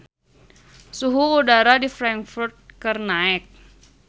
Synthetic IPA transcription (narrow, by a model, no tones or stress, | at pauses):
suɦuːdaɾadifɾaŋkfurt̪̚kərnaɛk̚